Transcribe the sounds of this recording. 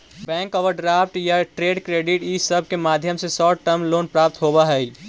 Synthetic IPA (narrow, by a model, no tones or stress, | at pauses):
bɛ̃ːŋkɔʋəɾɖɾaːfʈjaʈɾeːɖkɾeːɖɪʈiːsəb̚ʱkemaːd̪ʱjəmsesɔːʈəmloːnpɾaːp̚t̪ɦoːbaɦɛi